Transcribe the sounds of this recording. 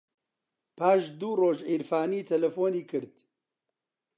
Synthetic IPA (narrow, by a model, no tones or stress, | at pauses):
paːʃd̪uːroːʒiːɾfaːniːt̪ʰɛlɛfoːniːkʰɨɾd̪